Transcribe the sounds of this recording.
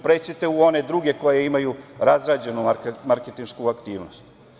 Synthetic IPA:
pɾet͡ɕit̪euo̞ne̞d̪ɾuɡe̞ko̞jeimajuɾazɾaːd͡ʑe̞numaɾket̪inʃkuakt̪iːʋno̰st̪

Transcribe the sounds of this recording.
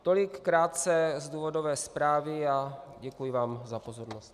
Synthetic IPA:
t̪o̞lɪkːɾaːt̪t͡sɛzd̪uːvodovɛːspɾaːvɪaɟɛkujɪvaːmzapo̞zo̞ɾnost̪

